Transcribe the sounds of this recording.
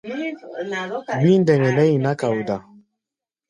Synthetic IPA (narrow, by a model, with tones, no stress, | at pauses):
mĩ˦n˦dɛ˨ŋɛ˨nɛ˦i˨na˦ka˨u˨da˨